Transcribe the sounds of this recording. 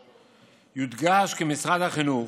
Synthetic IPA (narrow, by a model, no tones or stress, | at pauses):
jud̪ɡaʃkemisʁad̪haχinu